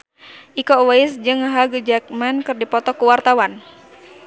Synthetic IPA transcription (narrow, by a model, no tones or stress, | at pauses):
ʔikɔwaɪsd͡ʒɨŋɦaɡəd͡ʒak̚mankɨrdipɔt̪ɔkuwart̪awan